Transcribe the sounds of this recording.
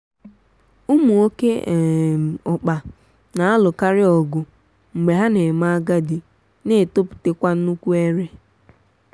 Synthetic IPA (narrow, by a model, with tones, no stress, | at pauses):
ʊ˦mu˨o˦ke˦˨ | ʊ˨k͡pa˨ | na˨a˦lʊ˨ka˦ɾɪ˦ɔ˨ɡʊ˨ | ŋ͡m̩˨ɡ͡be˨ɦa˦ne˨ma˦a˦ɡa˦dɪ˨ | ne˦˨to˦pʊ̥˨te˦kʷa˦n̩˦u˦kʷu˦e˦ɾe˦